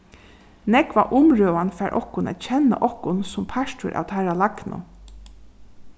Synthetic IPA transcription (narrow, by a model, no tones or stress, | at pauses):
nɛkʋaʔʊmɹøːʋanfæɾʔɔhkʊnæ̰t̪t͡ʃʰɛna̰ʔɔhkʊnsʊmpʰaʃtʊ̰ɾʔa̰wt̪ʰaɹalaknʊ̰